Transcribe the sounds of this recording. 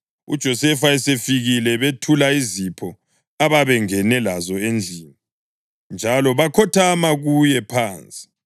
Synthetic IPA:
ṵd̥ʒ̥ʱɔsɛfaɛsefiɣilɛβetʰulaizipʰɔ | aβaβɛŋɛnɛlazɔend͡ɮʱiːni | nd͡ʒʱalɔβakʰɔtʰamaɣujɛpʰaːnt͡sʼi̥

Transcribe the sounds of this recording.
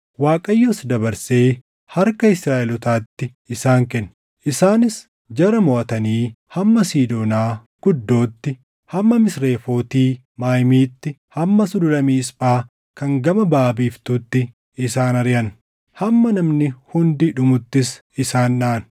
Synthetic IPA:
waːkʼɐjːosd̪ɐbɐɾse̞ː | hɐɾkɐɪsɾaːʔɛlʊt̪aːt̪ːɪ | ɪsaːŋkɛnːɐ | ʔɪsaːnɪs | d͡ʒɐɾɐmɔʔɐt̪ɐniː | hɐmːɐsiːd̪o̞ːnaː | ɡ̥ʊd̪ːo̞ːt̪ːɪ | hɐmːɐmɪsɾe̞ːfo̞ːt̪iː | maːjmiːt̪ːɪhɐmːɐsʊd̪ʊlɐmiːsbaː | kɐŋɡɐmɐbaːbiːft̪uːt̪ːɪ | ɪsaːnɐɾɪjɐn | hɐmːɐnɐmnɪhʊnd̪ɪᶑʊmʊt̪ːɪs | ɪsaːnᶑaːn

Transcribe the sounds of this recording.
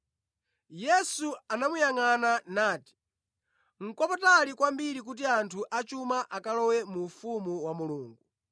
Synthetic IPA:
jɛsuanamujaŋananaːti̥ | ŋ̩kɔpɔtalikwambiɾik̬ut̬iantʰuʔat͡ʃumaʔakalɔwɛmufumuwamuluːŋɡu

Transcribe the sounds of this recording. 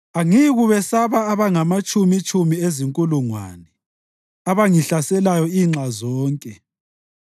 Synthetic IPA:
aŋiɣuβɛsaβaːβaŋamat͡ʃʼumit͡ʃʼumieziŋkʼuluŋwa̰nɛ | aβaŋiɬasɛlajɔiːŋ͡ǁazɔːŋkʼɛ

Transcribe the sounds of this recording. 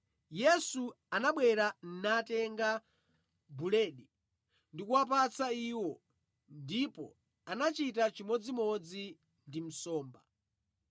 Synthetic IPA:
jɛsu | anaɓwɛɾan̩natɛŋɡa | bulɛːɗi | ndikuwap̬at͡saiːwɔ | ndipɔ̰ | anat͡ʃitat͡ʃimɔd͡zimɔd͡zi | ndim̩sɔːmba

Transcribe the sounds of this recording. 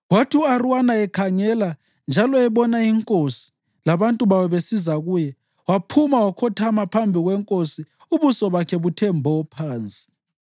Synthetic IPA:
watʰiuarwanaɛkʰaŋɛla | nd͡ʒʱalɔɛβɔnaiŋkʼosi̥ | laβantʼuβawɛβesizaɣuːjɛ | wapʰumawakʰɔtʰamapʰambʱiɣwɛŋkʼosi | uβusɔβakʰɛβutʰɛmbʱɔpʰaːnt͡sʼi̥

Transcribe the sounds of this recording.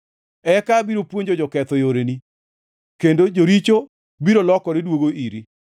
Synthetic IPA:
ɛkabiɾopwoɲd͡ʒod͡ʒɔkɛt̪ɔjoɾeni | kendod͡ʒoɾit͡ʃo | biɾolɔkɔɾedwoɡoʔiɾi

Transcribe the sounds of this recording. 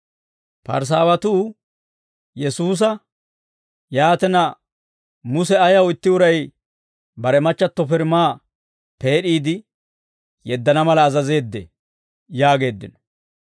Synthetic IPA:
pɐ̰ɾs̬aːwɐt̪uː | jɛsuːs̬ɐ | jaːt̪ɛnɐ | mʊsɛɐjɐwɪt̪ːɪʊɾɐj | bɐɾɛmɐt͡ʃːɐt̪ːɔfɪɾmaː | pe̞ːɗiːd̪ɪ | jɛd̪ːɐnɐmɐlɐːzɐze̞ːd̪ːɛ̰ | jaːɡe̞ːd̪ːɪnɔ̥

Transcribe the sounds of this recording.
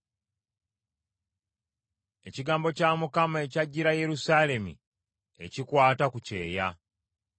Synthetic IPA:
e̞ciɡaːmbo̞caːmukamae̞caɟːiɾaje̞ɾusaːle̞mḭ | e̞̰cikwaːtakuce̞̰ːja

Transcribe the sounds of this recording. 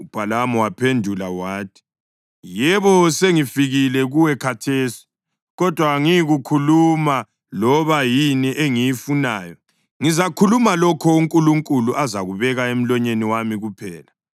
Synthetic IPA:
ub̥ʱalamɔwapʰendʱulawaːtʰi̥ | jɛβɔseŋifiɣilɛɣuwɛkʰatʰeːsi̥ | ɣɔd̥ʱwaŋijɣukʰuluma | lɔβajiniʔeŋijifunaːjɔ | ŋizakʰulumalɔkʰɔuŋkʼuluŋkʼuluʔazaɣuβɛɣaem̩lɔɲeniwamiɣupʰɛːla

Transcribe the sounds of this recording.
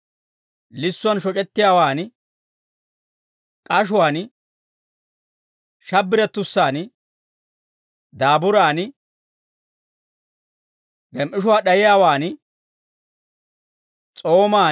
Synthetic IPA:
lɪsːʊɐnʃɔt͡ʃʼɛt̪ːɪjaːwaːn | kʼɐʃ̬ʊwaːn | ʃɐbːɪɾɛt̪ːʊsːaːn | d̪aːbʊɾaːn | ɡɛmʔɪʃʊwaːɗɐjɪjaːwaːn | t͡sʼo̞ːmaː

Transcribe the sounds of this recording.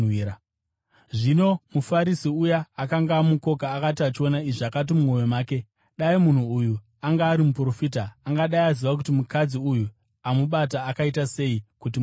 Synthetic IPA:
ia | ʐino̞mufaɾisiujaːkaŋɡamuko̞kaːkatiat͡ʃio̞naiʐakat̬imumo̞jomaːke̞ | ɗaimun̤uːju | aŋɡaːɾimupuro̞fiːtaːŋɡaɗaiaziʋak̬utimukad͡ziuju | amuɓat̬aːkaitase̞ikut̬i

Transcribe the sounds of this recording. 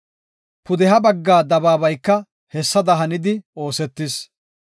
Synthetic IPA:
pʊd̪ɛɦɐbɐɡːaːd̪ɐbaːbɐjkːɐ | hɛsːɐd̪ɐɦɐnɪd̪ɪo̞ːsɛt̪ːɪs

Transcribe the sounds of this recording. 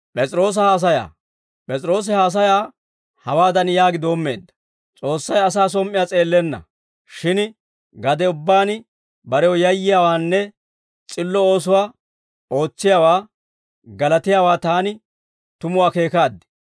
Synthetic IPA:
pʼɛt͡sʼɾo̞ːs̬ɐhaːs̬ɐja̰ː | pʼɛt͡sʼɪɾo̞ːs̬ɪhaːs̬ɐjaː | hɐwaːd̪ɐnjaːɡɪd̪o̞ːmːe̞̰ːd̪ːɐ̥ | t͡sʼo̞ːsːɐjɐs̬aːs̬ɔmʔːɪjaːt͡sʼe̞ːlːɛnːɐ̰ | ʃɪn | ɡɐd̪ɛʊbːaːn | bɐɾɛwɔjɐjːɪjaːwaːnːɛ | t͡sʼɪlːɔo̞ːs̬ʊwaː | o̞ːt͡sːɪjaːwaː | ɡɐlɐt̪ɪjaːwaːt̪aːnɪ | t̪ʊmʊwaːke̞ːkaːd̪ːɪ̥

